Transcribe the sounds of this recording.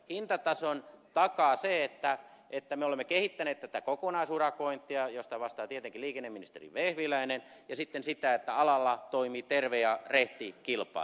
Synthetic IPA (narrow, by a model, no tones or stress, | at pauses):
hint̪ɑt̪ɑsont̪ɑkɑseet̪ːæʔet̪ːæmeolemːekehit̪ːæneːt̪t̪æt̪ækokonɑisurɑkoint̪ːˑiɑjost̪ɑʋɑst̪ɑːt̪iet̪eŋkiliːkenːeminist̪ḛrḭʋehʋilæinen | jɑsit̪ːensit̪æet̪ːæɑlɑlːɑt̪oimiːt̪erʋeɑreht̪ikilpˑɑ̰ˑl